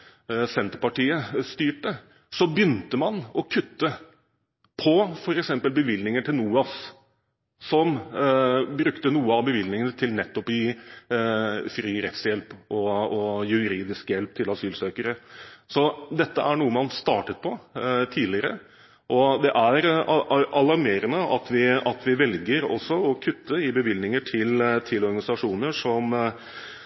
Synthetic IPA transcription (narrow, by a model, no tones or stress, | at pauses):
sɛnt̪əɾpɑʈiːəst̪yːʈə | sɔbjʏnt̪əmɑnɔkʰʉt̪ːə | pʰɔfɔɾɛksɛmpəlbəʋɪlnɪŋəʈʰɪlnuːɑs | sɔm | bɾʉkt̪ənuːəɑʋbəʋɪlnɪŋənət̪ʰɪlnɛt̪ːɔpɪ | fɾiːɾɛt̪sjɛlpʔɔɔjʉɾiːd̪ɪskjɛlp̚t̪ʰɪlɑsyːlsøːkəɾəsɔd̪ɛt̪ːəʔæɳuːəmɑnst̪ɑːʈət̪̚pʰɔt̪ʰiːlɪəɾə | ʔɔd̪ɛʔæɾ | ɑlɑɾmeːɾənəɑt̪ʰʋɪɑt̪ʋɪʋɛlɡəɾɔ̰sɔɔkʰʉt̪ʰːəɪbəʋɪlnɪŋəʈʰɪlt̪ʰɪlɔɾɡɑnɪsɑʂuːnəʂɔm